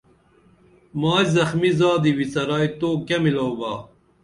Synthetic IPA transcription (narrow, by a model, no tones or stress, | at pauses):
maːjzɐxmizaːd̪iwisɐɾaːjt̪oːkɐmilɐwbaː